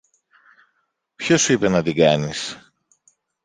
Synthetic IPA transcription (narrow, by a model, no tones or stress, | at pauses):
pçosuipe̞nɐt̪iɡɐnis